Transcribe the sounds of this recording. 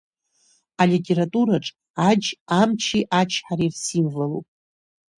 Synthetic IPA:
alitʲʼe̞ɾatʼuɾaʈ͡ʂʼ | ad͡ʒamt͡ʃʰiʔat͡ʃʰħaɾirsimvalṵpʼ

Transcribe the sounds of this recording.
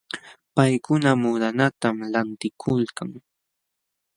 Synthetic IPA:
pajkʊnamʊd̪anat̪amlant̪ɪkʰʊlkaŋ

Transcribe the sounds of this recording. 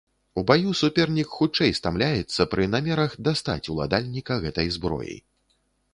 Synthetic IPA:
ubajusupʲɛrnʲikxut͡ʂɛjst̪amlʲajɛt̪sːɐpɾɨnamʲɛɾɐxd̪ast̪a̰t͡sʲulˠa̰d̪alʲnʲikɐɣɛt̪ɐjzbɾɔ̰jḭj

